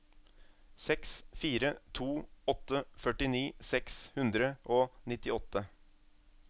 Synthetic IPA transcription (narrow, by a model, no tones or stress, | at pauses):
sɛksfiːɾət̪ʰuːɔt̪ːəfœʈɪniːsɛkshʉnd̪ɾəʔoːnɪt̪ɪɔt̪ːə